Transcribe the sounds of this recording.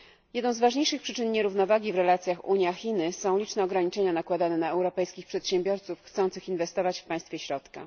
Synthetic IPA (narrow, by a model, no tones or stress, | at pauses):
jɛd̪nɔ̃w̃zvaʐɲejʂɘxpʂɘt͡ʂɘnɲɛɾuvnɔvaɡʲivɾɛlat̪sʲjaxṵɲjaxʲinɘsɔ̃w̃lʲit͡ʂnɛɔɡɾaɲit͡ʂɛɲanakwad̪anɛnaɛwɾɔpɛjskʲixpʂɛt̪ɕɛmbʲjɔɾt̪sufxt̪sɔ̃nt̪sɘxinvɛst̪ɔvat͡ɕfpãj̃st̪fʲjɛɕɾɔt̪ka̰